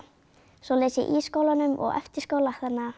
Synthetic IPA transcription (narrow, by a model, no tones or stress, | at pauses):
sɔːlɛjsɪ̰ʔiskowlanʏmɔ̰ɣɛ̰ft̪ɪɾ̥skoːwlahðanːa